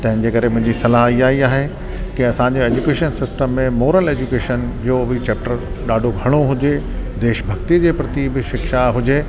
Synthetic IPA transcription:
t̪ɐ̃ɦɪ̃n̆d͡ʑeːkɐɾemʊ̃ɦɪ̃ɲd͡ʑisɐlaɦiaːiaːɦe | kiɐsãːɲ̆d͡ʑeeːd͡ʑukeːʃənsɪsʈəmːẽmoːɾəleːd͡ʑukeːʃənd͡ʑoːbit͡ɕɛːp̚ʈəɾɗaːɖʱoɡʱɐɽ̃oɦʊd͡ʑe | d̪eːʃbʱɐɡt̪id͡ʑeːpɾɐt̪ibɪʃɪkʃaɦʊd͡ʑeː

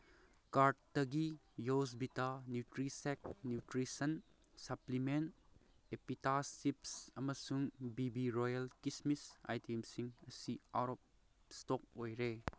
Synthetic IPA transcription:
kaɾʈ̚tɐɡi | josbitanjutɾisek̚njutɾisɐn | sɐplimen | epitasipsɐmɐsuŋbibiɾojɐlkismisa̰jtemsiŋɐsia̰ɾɔp̚ | stok̚ojɾe

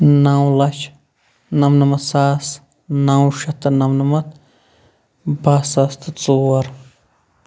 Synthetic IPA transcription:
nawlɐt͡ʃʰ | nɐmnɐmɐt̪saːs | nawʃɐt̪ɐnɐmnɐmɐt̪ | baːsaːst̪ɨt͡suːɐɾ

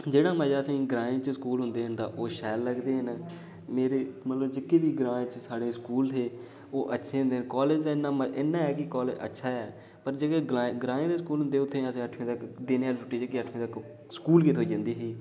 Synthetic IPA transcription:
d͡ʒeːɽãːmɛ̃ːd͡ʒaːəsĩːɡɾaːẽːt͡ʃəskuːlɦʊ̃nd̪eːɦənd̪aːʔoːʃɛːlːəɡd̪eːɦən | meːɾeːmət̪ləbd͡ʒɪkːeːʋiːɡɾaːẽːt͡ʃsaːɽeːskuːlt̪ʰeː | oːʔətːʃʰeːɦʊnd̪eːnkɔːleːd͡ʒd̪aːɪnːãːmenːãːɛːkɪkɔːled͡ʒə̰tːʃʰaːɛː | pəɾd͡ʒekeːɡɡɾãːẽːd̪eːskuːlɦʊ̃nd̪eːʊt̪ʰːẽːəsĩːəʈʰmẽːt̪əkd̪eːnealfʰʊʈiːd͡ʒkɪəʈʰmẽːt̪ək | sə̥kuːlkiːt̪ɦoːiːd͡ʒãːnd̪iːɦiː

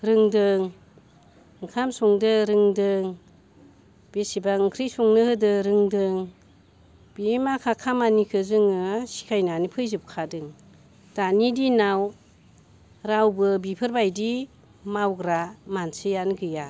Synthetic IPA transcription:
ɾɯŋdɯŋ | kʰamsuŋdɯɾɯŋdɯŋ | b̥esibakʰɾijsuŋnɯhɯdɯɾɯŋdɯŋ | b̥imakʰakʰamanikʰɯzɯŋɯsi̥kʰajnanipʰɯjzɯp̚kʰadɯŋ | d̥anidinaw | ɾawbɯbipʰɯɾbajdi | mawɡɾamansɯjanɡɯja

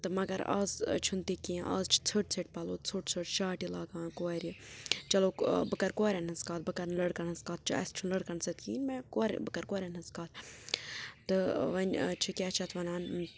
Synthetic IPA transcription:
t̪ɨmɐɡɐɾa̰ːzt͡ʃʰunt̪ikĩʔa̰ːzt͡ʃʰi̥t͡sʰəʈt͡sʰɐʈ̚pɐloːt͡sʰɨʈt͡sʰɨʈʃaːʈilaːɡaːnkoːɾʲit͡ʃɐloːbɨkɐɾkoːɾʲɐnɐzkaːt̪̚bɨkɐɾnləɽkɐnɐzkaːt̪̚t͡ʃʰɨɐ̰st͡ʃʰunləɽkɐɳsɐt̪̚ʰkiːnmẽkoɾʲbɨkɐɾkoːɾʲɐnɐzkaːt̪̚ʰ | t̪ɨʋɐnt͡ʃʰikʲaːt͡ʃʰɐt̪ʰʋɐnaːn

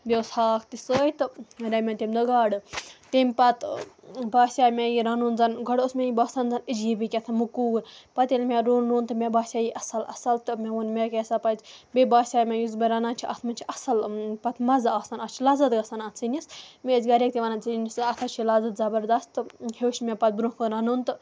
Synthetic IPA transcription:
d̪ʲewshaːkʰt̪isəːjit̪ɨɾɐmʲɐnt̪emʲd̪ɐɡaːɖɨt̪emʲpɐt̪baːsʲaːmʲejiɾɐnuːnd͡zɐnɡɐɽosmʲejibaːsɐnzɐnid͡ʒjibikʲɐt̪ʰɐnmukuːɾpɐt̪ilʲmʲeɾuːnɾuːnt̪ɨmʲebaːsʲaːjiʔɐsɐlɐ̰sɐlt̪ɨmʲeʋunmʲekeːsapɐzʲbebaːsʲaːjmʲejuzbʲeɾɐnaːnt͡ʃʰiʔɐ̰t̪ʰmɐnʲt͡ʃʰiʔɐsɐlpɐt̪mɐzaːsɐnɐt͡ʃʰilaːzɐt̪ɡɐsɐnɐt̪ʰsinʲismʲeːzɡɐɾʲek̚t̪iʋanant͡sinisɐt̪ʰɐt͡ʃʰilazɐt̪zɐbɐɾd̪ɐst̪ɨheːʃmʲepɐt̪̚bɾũkɨɾɐnunt̪ɨ

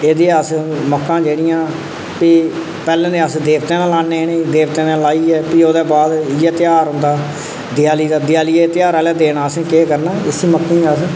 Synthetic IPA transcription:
eːd̪eːəsməkːãːd͡ʒeːɽɪjãː | piː | pɛːlẽːd̪eːəsd̪eːʋt̪ẽːnãːlaːneːneːd̪eːʋt̪ẽːnaːlaːiːɛːpiːoːd̪ɛːbaːd̪ɪjɛːt̪ɪjaːɾɦʊ̃nd̪aː | d̪ɪjaːliːd̪aːd̪ɪjaːliːet̪ɪjaːɾaːlɛːd̪eːɽaːəsẽːkeːkəɾnaːɪsiːməkːĩːas

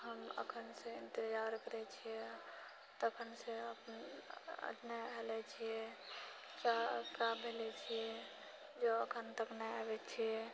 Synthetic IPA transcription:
həmə̰kʰənsẽint̪ed͡ʒaɾkəɾɛt͡ʃʰijɛ | t̪əkʰənsẽəpnə̰tnaɦelɛt͡ʃʰijɛ | t͡ʃakabʱelɛt͡ʃʰiɛ | d͡ʒoəkʰənt̪əknaabɛt͡ʃʰijɛ

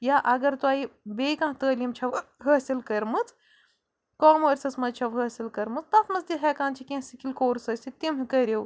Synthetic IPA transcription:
jaʔɐɡɐɾt̪uaːjibeːkãːt̪əːlimt͡ʃʰɐʋɦəsilkɐɾmɨt͡s | kɔːmoːɾʲsɐsmɐt͡ʃʰɐʋɦəɐsʲilkɐɾmɨt͡st̪ɐt̪mɐt͡sd̪ʲiɦɛkãːnt͡ʃʰikʲẽːsikilʲkoːɾsɐsʲit̪imɦɨkɐɾʲew

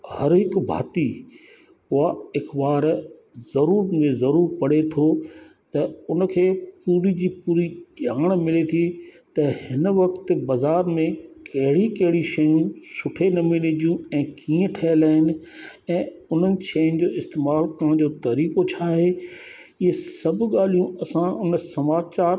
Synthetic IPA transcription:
hɐɾɦɪkbʱa̰ːt̪i | ʊɦaɪxbaːɾ | zɐɾuːɾmẽzɐɾuːɾpɐɽet̪ʰo | t̪ɐʊn̆kʰeːpuːɾid͡ʑiːpuːɾiʄɗaːɽ̃mɪlet̪ʰit̪ɐhɪnʋɐkt̪̆bɐzaːɾmẽkɐɦɪɽikɐɦɪɽiʃɐjũsʊʈʰenɐmɪled͡ʑijũɛ̃ːkĩːə̃ʈʰɐəlaːɦɪnɪ̆ɛ̃ːʊn̤ənɪ̆ʃɐjʊ̃nɪ̆d͡ʑoːɪst̪eːmaːlkɐ̃d͡ʑoːt̪ɐɾiːkot͡ɕʰaːɦeː | ɪɦesɐbʱɠaːl̤ijũɐsãʔʊnsɐmaːt͡ɕaːɾ

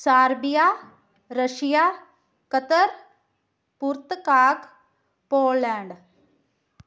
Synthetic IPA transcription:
saːɾbijaː | ɾəʃijaː | kət̪əɾ | puɾt̪kaːk | poːlɛ̃ːɳɖ

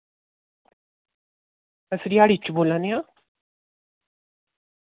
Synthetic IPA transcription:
əsɾiaɽit͡ɕubolanja

